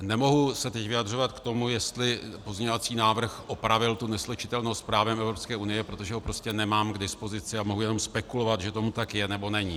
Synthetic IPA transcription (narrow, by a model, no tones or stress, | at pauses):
nɛmo̞ɦusɛt̪ɛcvɪjadr̝o̞vat̪kt̪o̞mujɛst̪lɪpo̞zɲɛovat͡siːnaːvr̩xʔo̞pɾavɪlt̪unɛslɛt͡ʃɪ̥t̪ɛlnowstspɾaːvɛmʔɛvɾo̞pskɛːʔunɪjɛpɾo̞t̪o̞ʒɛɦopɾo̞scɛnɛmaːmɡdɪspo̞zɪt͡sɪamo̞ɦujɛno̞mspɛkulo̞vat̪ʒɛt̪o̞mut̪akjɛnɛbo̞nɛɲi